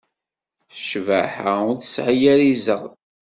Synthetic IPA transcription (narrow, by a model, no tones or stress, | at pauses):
θʃvə̰ħaʊɾθəsʕajæɾizəʁ